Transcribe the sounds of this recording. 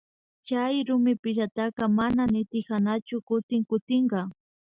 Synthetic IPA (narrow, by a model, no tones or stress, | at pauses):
t͡ʃajɾʊmɪpɪʒat̪ɑqɑmananɪt̪ɪhanat͡ʃʊkʊt̪ɪŋkʊt̪ɪɴɢɑ